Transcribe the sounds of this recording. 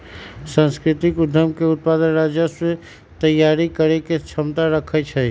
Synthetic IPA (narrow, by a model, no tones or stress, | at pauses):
sə̃nskɾit̪ikud̪ʱəmkeut̪̚pad̪ənɾad͡ʒjəse | t̪əjːaɾikəɾeket͡ʃʰəmt̪aɾəkʰət͡ʃʰɛ